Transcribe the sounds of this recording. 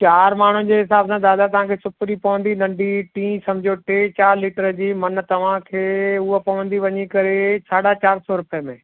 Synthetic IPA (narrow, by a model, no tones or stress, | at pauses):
t͡ɕaːɾmaːɳ̤ʊnɪ̆d͡ʑeːɦɪsaːbsãd̪aːd̪at̪ɐʋ̤ãkʰeːsʊpɾipɐʋə̃nd̪inɐ̃ɳɖiʈĩːsɐmd͡ʑʱjoʈeːt͡ɕaːɾliːʈəɾd͡ʑiːmɐn̆t̪ɐʋ̤ãkʰeːʊɦopɐʋə̃nd̪iʋɐɲikɐɾesaːɽat͡ɕaːɾsɔːɾʊpəjəmẽː